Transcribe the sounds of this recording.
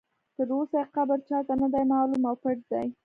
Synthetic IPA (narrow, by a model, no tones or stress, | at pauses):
t̪əɾosajqabəɾt͡ʃɑt̪anad̪ajmɑːlumawpəʈzaj